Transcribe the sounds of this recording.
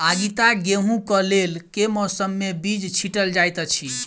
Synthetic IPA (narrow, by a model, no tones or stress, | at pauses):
aɡit̪aɡeɦũkəlelkemɔsəmːebid͡ʒt͡ʃʰiʈəld͡ʒajt̪ət͡ʃʰi